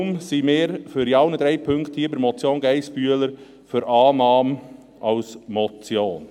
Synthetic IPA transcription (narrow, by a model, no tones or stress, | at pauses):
msimɪːɾføɾiɑʊnəd̥̪ɾɛɪpʰʏŋkt̪hiːəbəɾmɔt͡sjoːnɡæɪspyələɾ | fʏɾʔɑːnɑːm | ʔɑʊsmɔt͡sjoːn